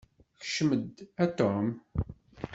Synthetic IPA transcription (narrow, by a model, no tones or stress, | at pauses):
çə̥ʃməd̪æt̪om